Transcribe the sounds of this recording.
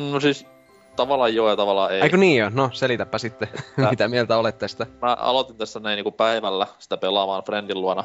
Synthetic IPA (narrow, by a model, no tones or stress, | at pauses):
nosis | t̪ɑʋɑlːˑɑjjoːjɑt̪ɑʋɑlːˑɑːeeikoniːonoselit̪æpːɑsit̪ːemit̪æmielt̪æolet̪ːest̪æmæɑ̰lot̪int̪æst̪ænæiniːkupæiʋælːæsi̥t̪æpelɑmɑːnfrendilːuɑnɑ